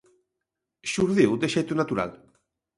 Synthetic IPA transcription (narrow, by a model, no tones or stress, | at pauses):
ʃuɾðiwd̪eʃejt̪unat̪uɾa̰l